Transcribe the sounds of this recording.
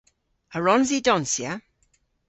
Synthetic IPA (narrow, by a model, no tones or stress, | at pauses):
əɹɔnzidɔnsja